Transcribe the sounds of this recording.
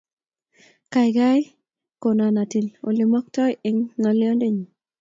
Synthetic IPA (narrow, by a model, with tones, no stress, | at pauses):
ka˨jɡa˦j | ko˨na˨na˨ti˨lo̰˨li˨mɔ˦k̚tɔ˦jɪ˨ŋːɔ˨ljɔ˦nde˦ɲi˨